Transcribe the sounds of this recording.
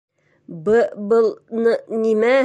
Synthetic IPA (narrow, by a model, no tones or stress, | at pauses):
bɤbɤlˠnɤnimæ